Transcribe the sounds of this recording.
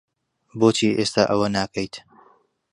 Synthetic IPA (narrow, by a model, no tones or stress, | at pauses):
boːt͡ʃʰiːʔeːst̪aːʔɐwɐnaːkʰɐjt̪